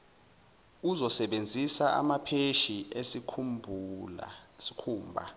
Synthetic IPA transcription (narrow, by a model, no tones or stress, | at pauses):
uzɔsɛɓend͡zʱisaʔa̰mapʰeʃiesikʰumbʱula̰si̥kʰuːmbʱa̰